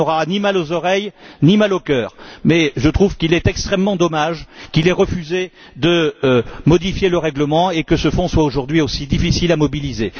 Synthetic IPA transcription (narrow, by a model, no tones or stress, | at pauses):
ɔʁanimalozɔʁɛjnimalokœːʁmɛʒət̪χuvkilɛt̪ɛkst̪χɛmːɑ̃d̪ɔmaʒkilɛʁəfyze | d̪əmɔd̪ifjeləʁɛɡləmɑ̃ekəsəfɔ̃swaoʒuʁd̪ɥiosid̪ifisilamɔbilize